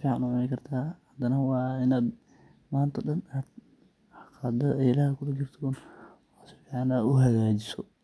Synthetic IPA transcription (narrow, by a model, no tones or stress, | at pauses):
fiːʕɑnʊʕʊnɪkʰɐrt̪ʰaːhɐd̪ɐnɐwɑːɪnaːd̪ | maːnt̪ʰɐɗɐnaːd̪ | qɑd̪ɐɛɪlaːhɪkʰʊlɐd͡ʒɪrt̪ʰɔːn | aːsfiːʕɑnaːʊɦɐɣaːd͡ʒɪsɔ